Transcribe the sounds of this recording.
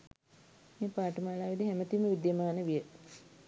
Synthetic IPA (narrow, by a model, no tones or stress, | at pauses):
meːpaːʈəmaːlaːʋid̪iɦæmət̪iməʋid̪jɐmaːnəʋijə